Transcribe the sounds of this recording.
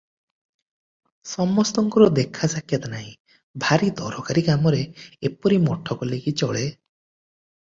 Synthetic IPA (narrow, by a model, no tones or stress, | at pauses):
sɔmɔst̪ɔŋkɔɾɔd̪ekʰːasakʰjat̪anaɦĩ | bʱaɾid̪ɔɾɔkaɾiɡamɔɾeepɔɾimɔʈʰɔkɔlekit͡ʃɔɭe